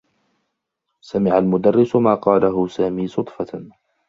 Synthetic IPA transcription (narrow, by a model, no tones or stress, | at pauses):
samɪʕalmʊd̪arːɪsʊmaːqɑːlaɦʊsaːmiːsʊt̪ˤfɑ